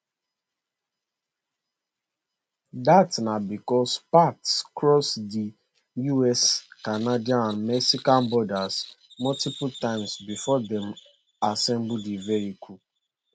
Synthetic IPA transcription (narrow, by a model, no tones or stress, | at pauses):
datnabikɔspakskɹɔsdi | juɛskanadiaãnmɛksikãnbɔdasmɔltipʊtãɪmsbifɔdɛ̃m | asɛ̃mbudivɛɾikʰu